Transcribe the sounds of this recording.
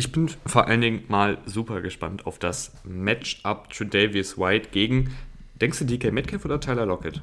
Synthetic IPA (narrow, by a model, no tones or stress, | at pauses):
ʔɪçb̥ɪnfoːɐʔa̰ləndɪŋmaːlzuːpɐɡəʃpa̰ntʰaʊfd̥as | mɛt͡ʃʔap̚t͡sudeɪvɪswaɪtɡ̥eːɡŋ̩ | d̥ɛŋstd̥uːdikʰɛmɛɪtkʰɛmfoːdɐtʰaɪlɐlɔkət